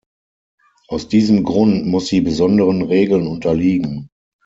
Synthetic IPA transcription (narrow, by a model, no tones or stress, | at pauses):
ʔaʊsd̥iːzəmɡʁʊntmʊsd̥iːbəzɔndəʁənʁeːɡl̩nʊntɐliːɡŋ̩